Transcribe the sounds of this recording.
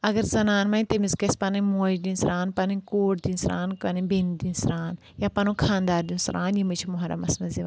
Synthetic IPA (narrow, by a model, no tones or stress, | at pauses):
ɐɡɐɾzɐnaːnmɐ̃ĩt̪emizkɐspɐnɐmoːd̪ĩnsɾaːnpɐnɨ̃koːʈd̪insɾaːnkɐnĩbind̪insɾaːn | japɐnõːkʰaːnd̪aːɾd̪insɾʔaːnjimit͡ʃʰimoɦɐɾɐ̰mɐsnɐziʋ